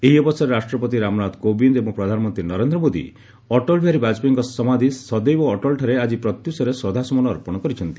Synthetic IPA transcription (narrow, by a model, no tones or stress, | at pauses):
eɦiɔbɔsɔɾeɾasʈɾɔpɔt̪̬iɾamɾad̪kobind̪ebɔ̃ŋpɾɔd̪ʱanɔmɔnt̪ɾinɔɾend̪ɾɔmod̪ḭ | ɔʈɔlbʱiaɾibad͡ʒpiŋkɔsɔmad̪ʱisɔd̪ejboɔʈɔlʈʰaɾead͡ʒipɾɔt̪jusɔɾeswɔd̪ʱasɔmɔnɔːɾpɔɽ̃ɔkɔɾit͡ʃʰɔnt̪i